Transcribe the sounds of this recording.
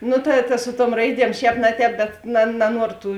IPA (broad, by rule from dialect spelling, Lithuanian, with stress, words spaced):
ˈnʊ tɐ tɐ ˈsʊ ˌtuɔm ˈrɐɪˌdʲiɛm ˈʃʲɛːp nɐ ˌtʲɛːp bʲɛt nɐ nɐˈnuɔroː ˈtuː